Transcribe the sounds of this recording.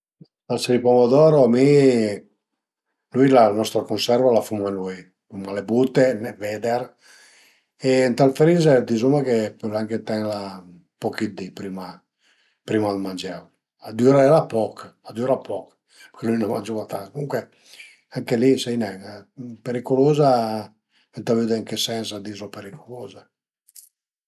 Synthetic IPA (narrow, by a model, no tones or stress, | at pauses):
t̪alsaɾipɔmod̪ɔːɾoami | lujlanɔst̪ɾakonsɛrvalafumanuj | fumalebut̪ːenɛvɛd̪eɾ | ent̪alfɾized̪izumakepɔlaŋket̪ɛnla | pokid̪ipɾiːma | pɾiːmalmand͡ʒɛv | ad̪uɾaɛlapɔkad̪uɾapʰɔk | pekelujnoma̰nd͡ʒovat̪akomuŋkwe | aŋkelisɛjnɛpeɾikoloːza | ɛnt̪avyd̪eiŋkesɛnsad̪izopeɾikʰoloːza